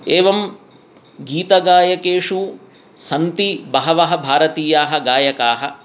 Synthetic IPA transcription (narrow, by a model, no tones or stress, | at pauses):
eːʋɐm | ɡiːt̪ɐɡaːjɐkeːʂu | sɐnt̪ibɐɦɐʋɐɦɐ̆bʱaːɾɐt̪iːjaːɦɐ̆ɡaːjɐkaːɦɐ̰